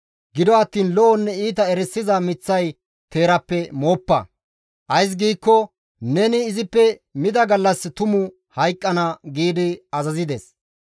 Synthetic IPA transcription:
ɡɪd̪ɔɐt̪ːiːnlɔʔɔnːɛiːt̪̬ɐɛɾɛsːɪzɐmɪt͡sːɐj | t̪e̞ːɾɐpːɛmoːpːɐ̰ | ʔɐjs̬ɡiːkːɔ | nɛnɪːzɪpːɛmɪd̪ɐɡɐlːɐst̪ʊmʊ | hɐjkʼːɐnɐɡiːd̪ɪɐzɐzɪd̪ɛs

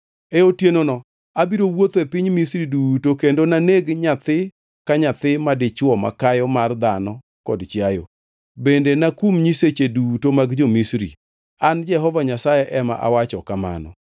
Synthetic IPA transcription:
eotjenonɔ | abiɾowot̪ɛpɪɲmisɾidutokendonaneɡɲat̪ɪ | kaɲat̪ɪmadɪt͡ʃwɔma̰kajɔmard̪anɔ | kɔ̰dt͡ʃjajo̰ | bendenakumɲiset͡ʃedutomaɡd͡ʒomisɾḭ | and͡ʒɛɦɔvaɲasajɛʔɛma̰ʔa̰wat͡ʃɔkama̰nɔ̰

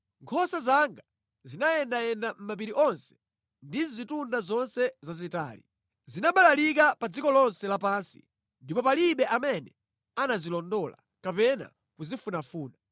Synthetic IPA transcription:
ŋkʰɔsazaŋɡa | zinajɛndajɛndam̩map̬iɾiʔɔnsɛ̥ | ndinzitundazɔnsɛzazitaːlḭ | zinaɓalalik̬apad͡zikɔlɔnsɛlapaːnsi̥̰ | ndipɔpaliɓɛʔamɛnɛ | anazilɔndɔla̰ | kapɛna̰ | kuzifunafuːna

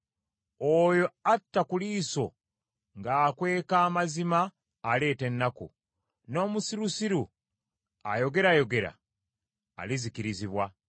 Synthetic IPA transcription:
ojo̞atːakuliːso̞ | ŋɡaːkwe̞ːkaːmazimaː | le̞ːte̞nːakṵ | no̞ːmusiɾusiɾu | a̰jo̞ɡe̞ɾajo̞ɡe̞ɾa̰ː | lizikiɾiziβwa

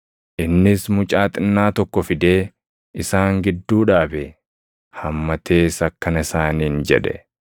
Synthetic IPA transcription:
ʔɪnːɪsmʊt͡ʃʼaːt̪ʼɪnːaːt̪ɔkːɔfɪd̪eː | ɪsaːŋɡɪd̪ːuːᶑaːbɛ | hɐmːɐt̪ʰe̞ːsɐkːɐnɐɪsaːniːnd͡ʒɛ̰ᶑɛ̰

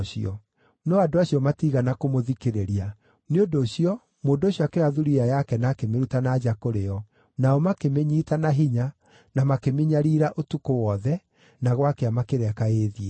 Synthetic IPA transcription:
ɕiɔ | nɔadoaɕijɔmatiɣanakomoðikeɾeɾia | neondoːɕiɔ | moːndoːɕjɔakeaðuɾiajakɛnakemeɾutanad͡ʑakoɾejɔ | naɔmakemeɲiːtanaɦiɲa | namakemeɲaɾiɾaʔotukowɔðɛ | naɣwakeamakeɾɛkaeðiɛ

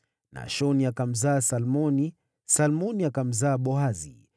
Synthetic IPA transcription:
na̰ʃɔniakam̩zaːsalmɔni | salmɔniakam̩zaːɓɔɦazḭ

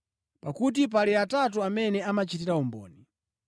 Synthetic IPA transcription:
pakut̬ip̬aliatat̬uamɛnɛamat͡ʃitiɾaumbɔ̰ːni

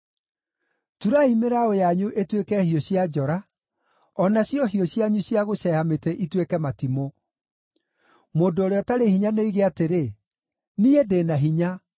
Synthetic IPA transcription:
tuɾaimeɾaojaɲuʔetwekɛhioɕjad͡ʒɔɾa | ɔnaɕjɔɦioɕjaɲuɕjaɣoɕɛhametɛʔitwekɛmatimo | moːdooɾeɔtaɾehiɲanoiɣeateɾe | niedenaɦiɲa

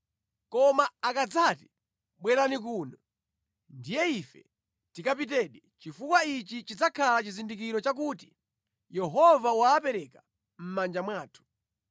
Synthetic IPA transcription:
kɔmaakad͡zati | ɓwɛɾanik̬uːnɔ | ndijɛifɛ̰ | tikapitɛɗɛt͡ʃifukwait͡ʃit͡ʃid͡zakʰalat͡ʃizindikiɾɔt͡ʃak̬uːti̥ | jɛɦɔvawaːpɛɾɛka | m̩mand͡ʒamwaːtʰu̥

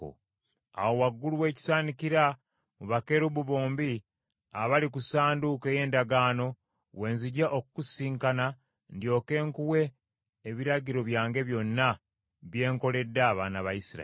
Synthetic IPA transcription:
o̰ | a̰wo̞waɡːuluwe̞ːci̥saːnikiɾa | muβake̞ɾuβuβo̞ːmbi | aβalikusaːndukeːje̞ːndaɡaːno̞ | we̞ːnziɟaʔokukusiːŋkana | ndjo̞ːke̞ːŋkuwe̞ː | βiɾaɟiɾo̞βjaːŋɡe̞βjo̞nːa | βje̞ːŋko̞le̞dːaːβanaβajisiɾa̰

